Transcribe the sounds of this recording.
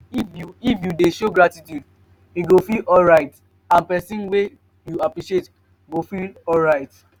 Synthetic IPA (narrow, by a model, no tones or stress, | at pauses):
ifjuifjudeʃoɡɹatitjud | iɡofilɔlɹaɪt | ãnpɛsĩnwe | juapɹiʃiet | ɡofilɔlɹaɪt